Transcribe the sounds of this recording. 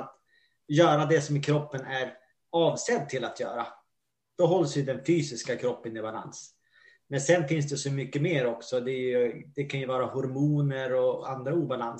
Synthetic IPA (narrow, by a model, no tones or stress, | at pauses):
t̪ | jœːɾad̪ɛsɔmɪkʰɾɔpːənæɾ | ɑːvsɛd̪̚t̪ʰːɪlat̪ʰjœ̰ːɾa̰ | d̪̥ɔɦɔlsjɵd̪ɛnfyːsɪskakʰɾɔpːənɪbala̰ns | mɛnsɛnfɪns̬d̪ɛsɔmʏkːəmeːɾɔksɔd̪ɛjɵd̪ɛkʰanjɵvɑːɾahʊɾmuːnəɾɔand̪ɾauːbalan